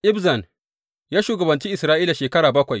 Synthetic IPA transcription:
ʔɪ˦bzɐ˨n | jaː˦ʃuː˨ɡɐ˨bɐ˨nt͡ʃiː˦ʔɪ˨sɾaː˦ʔiː˦la˨ʃeː˨kɐ˦ɽaː˨bɐ˦kʷa˨j

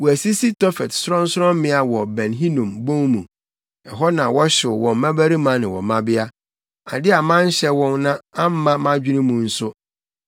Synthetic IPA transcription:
wɔ˨æ˨si˦si˦tʰɔ˦fɛ˨tsʊ˦ɾɔ̃˦n̩˦sʊ˦ɾɔ̃˦m˦mɪ̃˦a˨wɔ˨bɛ̃˨nɦĩ˦nũ˨mbõ˦ŋmũ˨ | ɛ˨ɦɔ˦nã˨wɔ˦ɕɪ˨wɔ̃˨m˦mã˦bæ˦ɾi˦mã˨˦nɪ̃˨wɔ̰˨mã˦bɪ˦a˦ | a̰˨dɪ˦a˨mã˦n̩˦ɕɛ˦wɔ̃˦nnã˦ã˦m̩˦mã˦mã˦d͡ʑᶣi˦nĩ˦mũ˨n̩˦sʊ˦

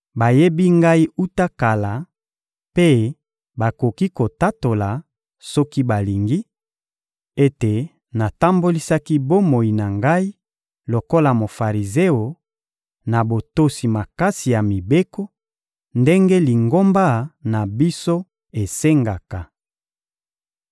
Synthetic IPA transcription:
ba˨je˦bi˦ŋɡa˦i˦u˦ta˦ka˨la˨ | pe˦ | ba˨ko˨ki˦ko˨ta˦to˨la˨ | sɔ˦ki˦ba˨li˨ŋɡi˦ | e˦te˨ | na˨ta˦mbo˦li˦sa˦ki˦bo˦mo˨i˨na˨ŋɡa˦i˦ | lo˨ko˦la˨mo˨fa˨ʁi˨ze˦o˨ | na˨bo˨to˦si˨ma˨ka˦si˨ja˨mi˨be˦ko˦ | nde˦ŋɡe˦li˨ŋɡo˦mba˦na˨bi˦so˦ | e˨se˦ŋɡa˨ka˨

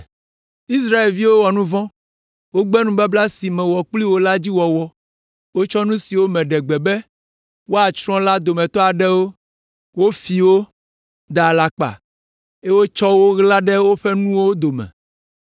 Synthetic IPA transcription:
i˦sɾa˦e˨lvi˦wo˦wɔ˨nũ˦vɔ̃˦ | wo˦ɡ͡bɛ˦nũ˦ba˦bla˦si˨mɛ̃˨wɔ˨k͡pli˦wo˦la˦d͡ʑi˦wɔ˨wɔ˦ | wo˦t͡ʃɔ˦nũ˦si˨wo˦mɛ̃˨ɖɛ˨ɡ͡bɛ˨bɛ˦ | wo˦a˨t͡ʃɾɔ̃˦la˦d̪o˨mɛ̃˨t̪ɔ˦a˨ɖɛ˦wo˦ | wo˦fi˨wo˦ | d̪a˨la˨k͡pa̰˨ | e˦wo˦t͡ʃɔ˦wo˦ɣla˦ɖɛ˦wo˦ɸɛ˦nũ˦wo˦d̪o˨mɛ̰̃˨

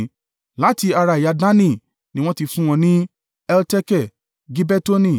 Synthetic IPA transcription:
la˨˦ti˧a˧ɾa˧˨i˨ja˧dã˦nĩ˦˨ | nĩ˦wɔ̃˧˦ti˧fũ˦w̃ɔ̃˧nĩ˦ | ɛ˧ltɛ˦kɛ˦˨ | ɡi˦bɛ˦to˦nĩ˦˨

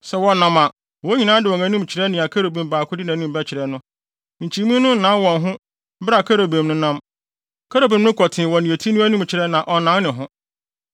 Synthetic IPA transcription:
sɛ˨wɔ˨nã˨mã˨ | wɔ˨˦ɲĩ˨nã˦dɪ˨ɔ˨næ̃˨˦nũ˦mt͡ɕʰɪ˨ɾɛ˦nɪ̃˨a˨kʰa˦ɾo˨bẽ˨mbaː˨kʰʊ˦dɪ˦nã˨˦nũ˦m˨bɛ˦t͡ɕʰɪ˨ɾɛ˨˦nʊ̃˦ | ɲ̩˨t͡ɕʰi˨mũ˦nʊ̃˦n̩˨nã˨˦wɔ̃˨nɦʊ̃˦ | bɾa˨kʰa˦ɾa˨bẽ˨mnʊ̃˦nã˦m | kʰa˦ɾa˨bẽ˨m˦nʊ̃˦kʰɔ˨tʰɪ̃˨wɔ˨nĩ˨e˨tʰi˦nũ˦æ˦nũ˦m˨t͡ɕʰɪ˨ɾɛ˦nã˨ʔɔ˨nã˨˦n˦nɪ̃˨ɦʊ̃˦

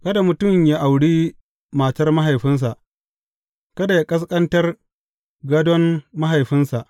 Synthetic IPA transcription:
kɐ˦da˨mʊ˨tʊ˦˨mja˦ʔa˨wɽiː˦ | maː˨tɐ˦rma˦ɦa˨jɸɪ˦ns̬a˨ʔ | kɐ˦da˨ja˦kʼɐ˦s̬kʼɐ˦ntɐ˦r | ɡɐ˦dɔ˦nːa˦ɦa˨jɸɪ˦nsa˨ʔ

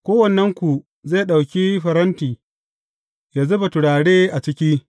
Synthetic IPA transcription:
kʷoː˦wɐ˨nːɐ˦ŋkʷu˨ | ze˦˨ɗa˨wkʲiː˦ɸɐ˨ɾɐ˦ntiː˨ | jaː˨zʊ˦ba˨tʊ˨ɽaː˨ɽeː˦ʔa˨t͡ʃɪ˦kʲi˦

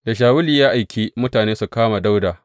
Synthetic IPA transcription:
da˨ʃ̬aː˨wʊ˦liː˨jaː˦ʔa˨jkʲiː˦mʊ˦taː˨neː˦su˨kaː˦ma˨da˦wdaː˨

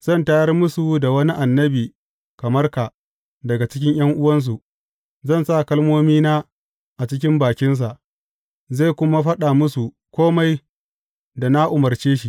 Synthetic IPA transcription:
z̥ɐ˦˨nta˦jɐ˦rmʊ˦su˨da˨wɐ˦ni˦ʔa˨nːɐ˦biː˨ | kɐ˨mɐ˦rka˨ | dɐ˨ɡa˨t͡ʃɪ˦kʲɪ˦ɲj̰ɐ˦ŋʔʊ˦wɐ˦ns̬u˨ | zɐ˦˨nsa˦˨kɐ˦lmoː˦miː˦naː˦ | ʔa˨t͡ʃɪ˦k̬ʲɪ˦mbaː˨kʲɪ˦ns̬a˨ʔ | za˦˨kʷʊ˦ma˦ɸɐ˦ɗa˨mʊ˦su˨ | kʷoː˦ma˦j | da˨na˦ʔʊ˨mɐ˨rt͡ʃeː˦ʃi˨

